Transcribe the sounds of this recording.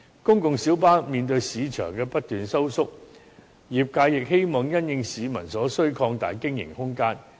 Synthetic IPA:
kʊ˥ŋkʊ˨ŋsiː˨˥wpaː˥miː˨nt̪ɵ˧ɥsiː˨˧t͡ʃʰœː˨˩ŋkɛː˧pɐ˥t̚t̪yː˨nsɐ˥wsʊ˥k̚ | jiː˨p̚kaː˧jɪ˨k̚he˥jmɔː˨ŋjɐ˥njɪ˧ŋsiː˨˧mɐ̰˨˩nsɔː˨˥sɵ˥ɥkʰɔː˧ŋt̪a̰ː˨jkɪ˥ŋjɪ̰˨˩ŋhʊ˥ŋkaː˥n

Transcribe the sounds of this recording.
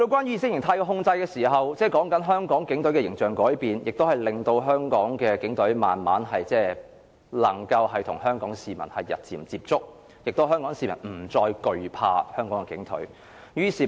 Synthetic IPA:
lo˧wkʷaː˥njy˥iː˨sɪ˥k̚jɪ˨˩ŋt̪ʰaː˧jkɔː˧ɦʊ˧ŋt͡sɐ˧jkɛː˧siː˨˩ɦɐ˨wt͡sɛː˥˩kɔː˨˥ŋkɐ˨˥nɦœː˥ŋkɔː˨˥ŋkɪ˨˥ŋt̪ɵ˨˥ɥkɛː˧˨ɪ˨˩ŋt͡sœː˨ŋkɔː˨˥jpiː˨njɪ˨k̚t̪o˥whɐ˨jlɪ˨ŋt̪o˧wɦœː˥ŋkɔː˨˥ŋkɛː˧kɪ˨˥ŋt̪ɵ˨˥ɥma̰ː˨nma̰ː˨˥nɦɐ˨jt͡sɛː˥˩ | lɐ˨˩ŋkɐ˧wɦɐ˨jt̪ʰʊ˨˩ŋɦœː˥ŋkɔː˨˥ŋsiː˨mɐ̰˨˩nhɐ˨jːɐ̰˨t̚t͡siː˨˩mt͡siː˧p̚t͡sʊ˥k̚ | jɪ˨k̚t̪o˥ɦœː˥ŋkɔː˨˥ŋsiː˨˩mɐ̰˨˩nm̩˨˩t͡sɔː˧jkɵ˨ɥpʰa̰ː˧hœː˥ŋkɔː˨˥ŋkɛː˧kɪ̰˨˥ŋt̪ʰɵ̰˨˥ɥ | jyː˥siː˨

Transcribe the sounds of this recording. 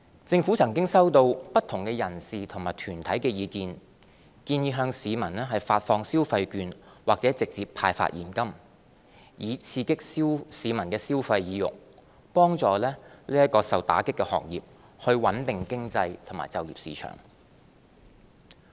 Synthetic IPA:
t͡sɪ˧ŋfu˨˥t͡sʰɐ˨˩ŋkɪ˥ŋsɐ˥wt̪o˧wpɐ˥t̪ʰʊ˨˩ŋkɛː˧jɐ˨˩nsiː˨t̪ʰʊ˨˩ŋmaː˨˩jt̪ʰyː˨˩nt̪ʰɐ˨˥jkɛː˧jiː˨˧kiː˧n | kiː˧njiː˧ɦœː˧ŋsiː˨˧mɐ˨˩nlɛː˥ɦɐ˨jfaː˧t̚fɔː˧ŋsiː˥wfɐ˧jkyː˧nwaː˨k̚t͡sɛ˨˥t͡sɪ˨k̚t͡siː˨pʰaː˧jfa̰˧t̚jiː˨˩nkɐ˥m | jiː˨˧t͡sʰiː˧kɪ˥k̚i˥siː˨˧mɐ˨˩nkɛː˧siː˥wfɐ˧jjiː˨˧jʊ̰˨k̚ | pɔː˥ŋt͡sɔː˨lɛː˥liː˥jɐ˥t̚kɔː˧sɐ˨wt̪a̰ː˨˥kɪ˥kːɛː˧hɔ̰ː˨˩ŋjiː˨p̚ | hɵ˧ɥwɐ˨˥nt̪ɪ˨ŋkɪ˥ŋt͡sɐ˧jt̪ʰmaː˨jt͡sɐ˨wjiː˨p̚sḭː˨˧t͡ʃʰœ̰ː˨˩ŋ

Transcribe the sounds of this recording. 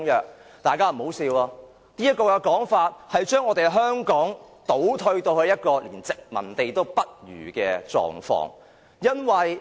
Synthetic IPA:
ŋjœː˨k̚t̪aː˨jkaː˥m̩˨˩ho˨˥wsiː˧waː˧ | niː˥jɐ˥t̚kːɔː˧kɛ˧kɔː˨˥ŋfaː˧t̚hɐ˨jt͡ʃœː˥ŋɔː˨˧t̪e˨jɦœː˥ŋkɔː˨˥ŋt̪o˨˥wt̪ʰɵ˧ɥt̪o˧whɵ˧ɥjɐ˥t̚kɔː˧liː˨˩nt͡sɪ˨k̚mɐ̰˨˩nt̪e˨jt̪o˥wpɐ˥t̚jy̰ː˨˩kɛː˧t͡ʃɔ̰ː˨ŋfɔ̰ː˧˥ŋ | jɐ˥nwɐ˨j

